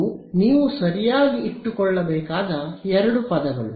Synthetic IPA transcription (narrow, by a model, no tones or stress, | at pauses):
niːʋusɐɾijaːɡiiʈːukɔɭːɐbɛːkaːd̪ɐɛɾɐɽupɐd̪ɐɡɐ̰ɭṵ